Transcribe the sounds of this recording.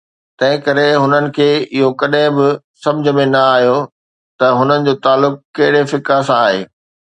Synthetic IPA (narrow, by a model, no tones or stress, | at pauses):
t̪ɐ̃ɦɪ̃kɐɾeɦʊnənɪ̆kʰeːɪɦokɐɗɦɪ̃bɪ | sɐ̃md͡ʑʱə̆mẽnɐaːɦjo | t̪ɐɦʊnənɪ̆d͡ʑoːt̪aːlːʊk̚ːkɐɦɪɽefɪkasãaːɦḛː